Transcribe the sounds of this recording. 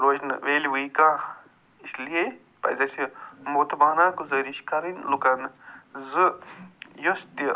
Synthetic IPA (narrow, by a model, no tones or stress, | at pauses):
ɾoːd͡ʒnʋeːliʋɨjkã | islie | pɐ̰zɐsimot̪ʰbaːnaːkuzəɾiʃkɐɾinlukɐnzɨ | jost̪i